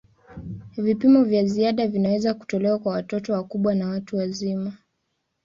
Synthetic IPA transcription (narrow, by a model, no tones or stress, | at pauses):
vipimɔvjaziaɗavinawɛzaku̥tɔlɛwakwawatɔtɔwakuɓwanawatuwazima